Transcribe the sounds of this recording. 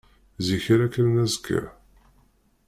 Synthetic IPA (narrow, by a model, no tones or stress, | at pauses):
ziçiɾækːənːæzkʰːə̰